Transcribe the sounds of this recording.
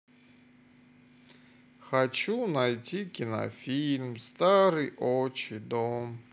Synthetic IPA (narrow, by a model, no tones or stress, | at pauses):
xat͡ɕunajtʲʰikʲina̰fʲilʲmst̪aɾɨjʔoɔt͡ʃid̪ɔm